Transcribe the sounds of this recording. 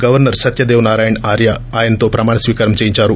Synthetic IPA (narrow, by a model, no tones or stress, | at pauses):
ɡɐʋɐɾnɐɾsɐt̪jɐd̪eːʋnaːɾaːjɐɳaːɾjaaːjɐnɐt̪oːpɾɐmaːɳɐsʋiːkaɾɐmt͡ʃeːjiɲt͡ʃaːɾu